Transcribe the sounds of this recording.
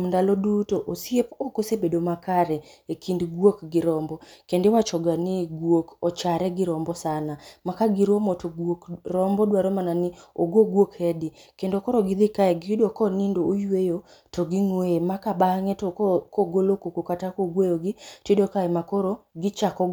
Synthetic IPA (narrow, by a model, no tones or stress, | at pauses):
mndalɔdutoʔosjepokosebedomakaɾɛekʰindɡwokɡɪɾɔmbɔkendewat͡ʃɔɡanɪɡwokɔt͡ʃaɾɛɡɪɾɔmbɔsanamakaɡɪɾomotoɡwokrɔmbɔdwaɾɔmananɪoɡoɡwokɛdɪkendokɔɾɔɡɪd̪ɪkaɛɡɪidokɔnindoojwejo | tɔɡɪŋweemakabaŋɛtokɔɡolokokokatakoɡwejoɡɪtidokaɛmakɔɾoɡɪt͡ʃakɔ